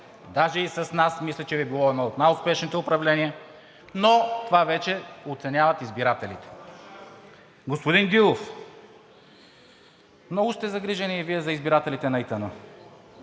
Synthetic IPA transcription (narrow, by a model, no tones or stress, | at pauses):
d̪aʒɛisɐsnasmislʲɐt͡ʃɛbibilˠɔɛnɔot̪najʊspɛʃnit̪ɛʊpɾɐvlɛniə | not̪ovavɛt͡ʃɛot̪sɛnʲavɐt̪izbiɾat̪ɛlit̪ɛ̥ | ɡospʊd̪inɡʲilˠof | mnɔɡʊst̪ɛzɐɡɾiʒɐniɛviɛzɐizbiɾat̪ɛlit̪ɛnɐit̪əno